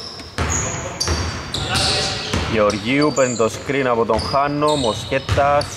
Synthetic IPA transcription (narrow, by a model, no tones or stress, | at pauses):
ʝeoɾʝiupent̪oskɾinapot̪oŋxanːomosket̪ːas